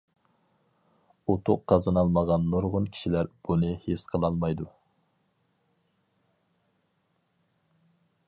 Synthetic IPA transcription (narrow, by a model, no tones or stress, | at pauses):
ut̪ʰʊqʰːɑzɑnɑlˠmɑʁɑnːoɾʁʊnkʲʰi̥ʃilæɾb̥unɨhesqʰəlˠɑlˠmɑjd̪u